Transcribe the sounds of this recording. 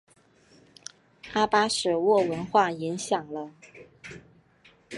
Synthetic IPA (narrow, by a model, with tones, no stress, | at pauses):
a˥pa˥ʂɻ̩˨˩wɔ˥˩wə˧˥nxwa˥˩i˧˥ŋɕjɑ˨˩ŋlə˦